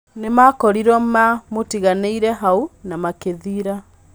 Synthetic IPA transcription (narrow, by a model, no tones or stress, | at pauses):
nemakɔɾiɾɔmamotiɣaneiɾɛɦaunamakeðiɾa